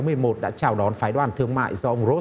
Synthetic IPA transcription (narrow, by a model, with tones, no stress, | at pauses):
mɨ˧əjmo˨˩t̚ɗa̰ː˧˥t͡ɕaː˨˩wɗɔ˨˦nfaː˨˦jɗwaː˨˩nt̪ʰɨ˧əŋma̰ː˧˨jzɔ˧ʔə˧wŋ͡mzo˦˥